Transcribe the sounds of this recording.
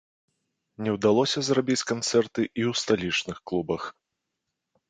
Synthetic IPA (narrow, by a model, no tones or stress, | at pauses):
nʲɛwd̪alˠɔsʲɐzrabʲit͡sʲkant̪sɛrt̪ɨʔiwst̪alʲit͡ʂnɨxklˠubɐx